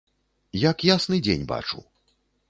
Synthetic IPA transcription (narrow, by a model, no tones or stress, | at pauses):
jakjasnɨd͡zʲḛnʲba̰t͡ʂṵ